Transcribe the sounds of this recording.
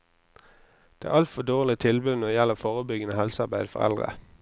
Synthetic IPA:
d̪̥eːæ̰ːʔɑlt̪fɔd̪oːʁlɪt̪ʰɪlbʉd̪nɔd̪əjɛləfoːʁəbʏɡənəhɛlsəɑbæɪd̪fɔ̰ʁɛ̰ld̪ʁə̰

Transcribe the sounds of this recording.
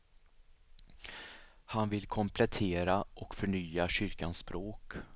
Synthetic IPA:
hanvɪlkʰɔmpʰlɛt̪ʰeːɾaʔɔkfœɳyːaɕʏɾkanspɾoːk

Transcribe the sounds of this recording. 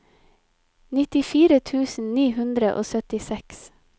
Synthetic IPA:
nɪt̪ɪfiːɾət̪ʰʉːsn̩niːhʉnd̪ɾəʔo̰ːsœt̪ɪsɛks

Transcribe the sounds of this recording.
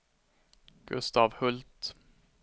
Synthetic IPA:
ɡ̥ɵst̪ɑːvhɵlt̪

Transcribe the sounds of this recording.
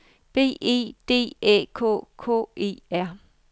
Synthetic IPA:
b̥e̝̰ːḭːd̥e̝̰ːḛːkʰo̰ːkʰo̰ːʔe̝̰ːæɐ̰

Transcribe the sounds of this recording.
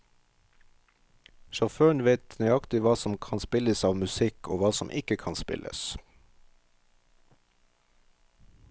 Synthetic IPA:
ʃɑʁføːɳʋeɪt̪ʰnœɑkt̪ɪʋɑːsɔmkʰɑnspɪləsɑːʋmʉsɪkʰoːʋɑːsɔmʔɪkəkʰɑnspɪ̰lʔə̰s

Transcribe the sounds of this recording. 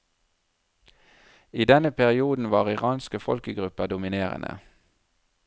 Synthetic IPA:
iːd̪ɛnəpʰæʁɪuːd̪n̩ʋɑːʁɪʁɑːnskəfɔ̰lkəɡʁʉpəʁd̪ʊmɪneːʁə̰nə̰

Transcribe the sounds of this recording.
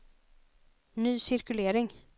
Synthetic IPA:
nyːsɪɾkɵleːɾɪŋ

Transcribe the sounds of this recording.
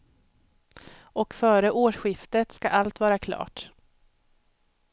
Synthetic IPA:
ɔkfœːɾəʔoːʂɧɪft̪ət̪ska̰ʔalt̪vɑːɾakʰlɑ̰ːʈ

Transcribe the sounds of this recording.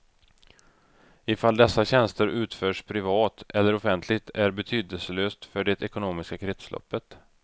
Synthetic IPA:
ɪfald̪ɛsːaɕɛnst̪əɾʔʉ̟ːt̪føːʂpʰɾɪvɑːt̪ʔɛlːəɾɔfɛnt̪ʰlɪɡ̚t̪ʰæɾbɛt̪ʰyːd̪əsəløːst̪fœɖɛt̪ɛkʊnoːmɪskakʰɾɛt̪slʔɔ̰pːət̪

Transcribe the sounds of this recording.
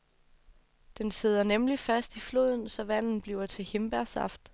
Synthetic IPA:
d̥ense̝ð̞ˠɐnemlifæsd̥iflo̝ð̰ˠn̩sɒ̽ʋæn̰n̩b̥liʊɐt͡sʰe̝he̝mb̥æɐsɑ̈fd̥

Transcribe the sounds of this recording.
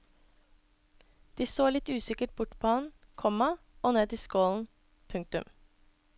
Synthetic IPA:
d̪̥iːsoːlɪt̪ʉːsɪkəʈ̚bʊʈpʰɔːhɑn | kʰɔmɑ | ʔoːneːd̪iːskoːln̩ | pʰʉŋk̚t̪ʉm

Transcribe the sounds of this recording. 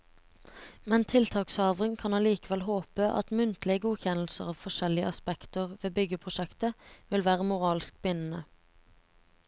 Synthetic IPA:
mɛnt̪ʰɪlt̪ʰɑːksɑːʋʁɪŋkʰɑnɑːliːkəʋɛlɦoːpəʔɑ̰t̪mʉnt̪lɪəɡuːçɛnl̩səʁɑːʋfɔʃɛlɪə̰ʔɑspɛkt̪əʁʋeːbʏɡəpʰʁʊʃɛkt̪əʋɪlʋæːʁəmʊʁɑːlsk̚bʏnn̩ə

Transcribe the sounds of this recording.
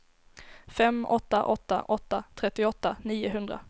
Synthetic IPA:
fɛmɔt̪ːa̰ʔɔt̪ːa̰ʔɔt̪ːat̪ʰɾɛt̪ːɪɔt̪ːaniːʊɦɵnd̪ɾa̰

